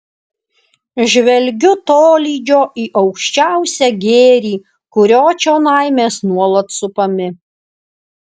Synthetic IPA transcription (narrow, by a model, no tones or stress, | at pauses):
ʒʲʋʲɛlʲɡʲʊt̪oːlʲiːd͡ʒʲoːʔiːʔɐʊkʃʲt͡ʃʲæʊsʲɛɡʲeːɾʲiː | kʊɾʲoːt͡ʃʲoːnɐɪmʲeːsnuɔlˠɐt̪sʊpɐmʲɪ